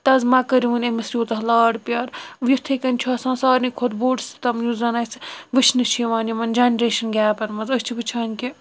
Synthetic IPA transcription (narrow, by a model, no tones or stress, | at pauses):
t̪ɐzmɐkɐɾʲiʋunʲɐmɐsɾʲjoːt̪ɐɦlaːɽpʲjaːɾʋjut̪ʰekɐnʲt͡ʃʰuɐsãːsaːɾnikʰod̪boːɖst̪ɐmjuzɐnɐjsʋɨt͡ʃʰnɨʃʰiʋaːnjimɐnd͡ʒanʲɾeːʃɐnɡʲaːpɐnmɐzɐsʲt͡ʃʰiʋɨt͡ʃʰaːnʲki